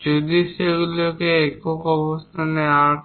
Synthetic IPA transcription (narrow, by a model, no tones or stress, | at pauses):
d͡ʒod̪iseɡulɔkeːkɔkɔbɔst̪ʰanɛaɹ